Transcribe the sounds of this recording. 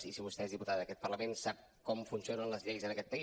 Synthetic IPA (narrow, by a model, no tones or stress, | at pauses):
zisiβust̪ɛezðiput̪aðəðəkɛt̪̚pərləmensap̚ | kɔmfunsionənləzʎɛjzənəkɛt̪pːə